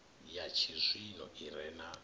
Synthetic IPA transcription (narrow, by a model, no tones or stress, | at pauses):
jat͡ʃʰizʷinɔiɾɛna